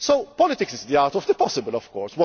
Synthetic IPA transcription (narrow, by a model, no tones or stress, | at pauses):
sowpɔlɪt̪ɪksɪzd̪iat̪ɔvd̪əpɔsɪbəlɔv̥kɔːɾswɔ